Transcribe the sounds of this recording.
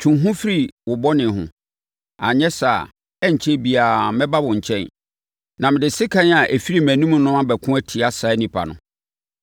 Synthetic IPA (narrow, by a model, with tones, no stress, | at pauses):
t͡ɕʰũ˨ɦʊ̃˦fi˦ɾi˨wʊ˨bɔ˦nɪ̃˨ɦʊ̰̃˨ | a˨ɲɛ̃˦sa̰˨ | ɛ˦ɲ̩˨t͡ɕʰɛ˦bi˨a˨mɛ̃˦ba˦bʊ̃˨ɲ̩˨t͡ɕʰɛ̃˦n | nã˨mɪ̃˨dɪ˨sɪ˦kʰã˦n˦a˨ʔe˨fi˦ɾi˦mæ̃˨nũ˦mũ˦nʊ̃˦a˦bɛ˨kʰʊ̃˦æ˦tʰi˨a˨sa˨˦nĩ˨pʰa̰˨nʊ̰̃˨